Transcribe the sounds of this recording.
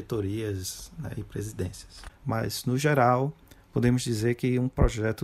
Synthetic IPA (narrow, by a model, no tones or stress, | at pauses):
et̪oɾiɐznɛ̰ɪpɾezid̪ẽsɐ̥smɐ̰znʊʒeɾawpod̪ẽmʊzd͡ʒizeɾkɪũpɾɔʒɛt̪ʊ